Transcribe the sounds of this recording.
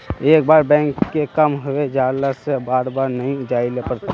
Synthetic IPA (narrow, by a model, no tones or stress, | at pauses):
eːk̚baːɾbɛ̃ːŋkːekəmɦʊed͡ʒaːlasebaːɾbaːɾnɐɦĩd͡ʒaːilepəɾt̪i